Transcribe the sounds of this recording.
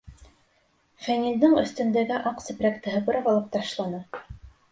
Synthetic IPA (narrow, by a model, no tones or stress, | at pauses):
fænʲind̪ɘŋɵ̆θt̪ɵ̆nd̪æɡæʔɑqsɘ̆pɾækt̪ɘ̆ɦɤpɤ̆ɾɑpɑlˠɤp̚t̪ɑʃlˠɑnɤ